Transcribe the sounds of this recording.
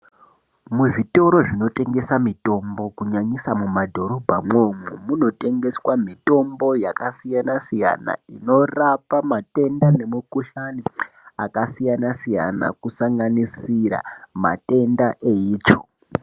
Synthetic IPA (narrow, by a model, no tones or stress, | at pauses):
muʐito̞ɾo̞ʐino̞te̞ŋɡe̞samito̞mbo̞kuɲaɲisamumadʱo̞ɾo̞bʱamomumuno̞te̞ŋɡe̞swamito̞mbo̞jakasijanasija̰na̰ino̞rapamate̞ndane̞mukuɬani | akasijanasija̰na̰kusaŋɡanisiɾa̰ma̰te̞ndaʔe̞iːt͡ʃo